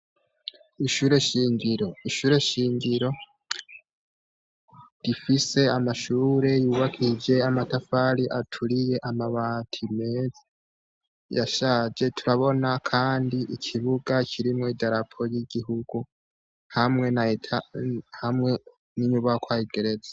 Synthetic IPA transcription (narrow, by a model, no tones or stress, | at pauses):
iʃuːɾe̞ʃiːɲɟiɾo̞iʃuːɾe̞ʃiːɲɡiɾo̞ | ɾifise̞amaʃuːɾe̞juːβakʰid͡ʒe̞amatafaɾiʔatʰuɾije̞ʔamaβaːtʰime̞ːze | ja̰ʃad͡ʒe̞tʰuɾaβo̞nakʰaːndiʔikʰiβuɡacʰiɾimŋoidaɾapʰo̞jiɡiɦuɡ̥u | hamŋe̞naetʰahamŋe̞ | niɲuβakwaːhiɡe̞ɾe̞zḁ